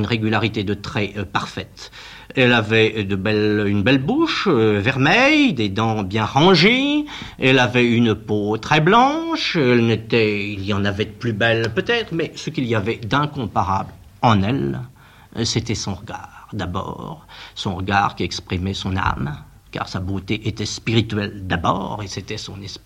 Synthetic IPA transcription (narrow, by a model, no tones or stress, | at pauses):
ynʁeɡʲylaʁit̪ed̪ət̪χɛpaʁfɛt̪ | ɛlavɛd̪əbɛlynbɛlbuʃvɛʁmɛjd̪ed̪ɑ̃bjɛ̃ʁɑ̃ʒiɛlavɛynpot̪χɛblɑ̃ʃɛlnet̪ɛiljɑ̃navɛd̪əplybɛlpøt̪ɛt̪χmɛsəkʲiliavɛd̪ɛ̃kɔ̃paʁa̰bl | ɑ̃nɛl | set̪ɛsɔ̃ʁəɡaʁd̪abɔ̰ʁsɔ̃ʁəɡa̰ʁkʲiɛkspχimɛsɔ̃na̰m | ka̰ʁsabot̪eʔet̪ɛspiʁit̪ɥɛld̪abɔ̰ːʁeset̪ɛsɔ̃nɛsp